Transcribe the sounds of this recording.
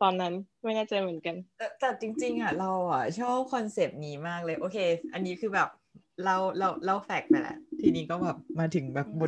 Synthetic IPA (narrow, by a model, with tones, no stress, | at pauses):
t̪ɔː˧nːa˦˥nma˥˩jnaː˥˩t͡ɕa˧jmɯ˩˦ə˦nka˧nlɛː˦˥t̪ɛː˨˩t͡ɕi˧ŋt͡ɕi˧ŋʔa˨˩ɾa˧wa˨˩t͡ɕʰɔː˥˩p̚kʰɔ˧nse˨˩p̚niː˦˥maː˥˩k̚lɤː˧jʔoː˧kʰeː˧ʔa˧nːiː˦˥kʰɯː˧bɛː˨˩p̚ | la˥˩wla˧˩wla˥˩wfɛ˨˩k̚na˧˩lɛ̰˧˩t̪ʰiː˧˩niː˦˥kɔː˥˩bɛː˨˩p̚maː˧t̪ʰɯ˩˦ŋbɛː˨˩p̚bo˧